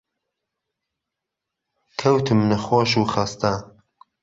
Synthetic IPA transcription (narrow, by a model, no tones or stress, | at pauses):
kʰɐwt̪ʰɨmnɐxoːʃuːχast̪a